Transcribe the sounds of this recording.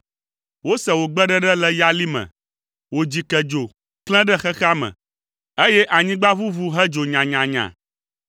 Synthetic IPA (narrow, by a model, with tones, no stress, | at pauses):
wo˦sɛ˨wo˨ɡ͡bɛ˦ɖɛ˦ɖɛ˦lɛ˦ja˦li˦mɛ̰̃˨ | wo˨d͡ʑi˨kɛ˨d͡ʒo˨ | klɛ̃˦ɖɛ˦xɛ˦xa˦mɛ̰̃˨ | e˦jɛ˦ʔa˨ɲĩ˦ɡ͡ba˦vu˦vu˦ɦɛ˦d͡ʒo˨ɲã˨ɲã˨ɲã̰˨